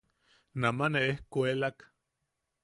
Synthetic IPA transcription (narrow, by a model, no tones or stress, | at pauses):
namaneehkuelak